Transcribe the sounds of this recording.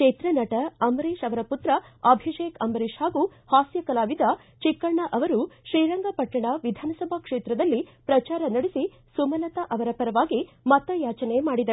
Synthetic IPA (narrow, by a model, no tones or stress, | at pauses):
eːt̪ɾɐnɐʈɐɐmɾiːʃɐʋɐɾɐput̪ɾɐɐbʱiʃeːkɐmɐɾiːʃhaːɡuhaːsjɐkɐlaːʋid̪ɐ | t͡ʃikːɐɳɐʔɐʋɐɾuʃɾiːɾɐŋɡapɐʈːɐɳɐʋid̪ʱaːnɐsɐbʱɐkʂeːt̪ɾɐd̪ɐlːipɾɐt͡ʃaːɾɐnɐɽisi | sumɐlɐt̪ɐʔɐʋɐɾɐpɐɾɐʋaːɡi | mɐt̪ːɐjaːt͡ʃɐnemaːɽid̪ɐ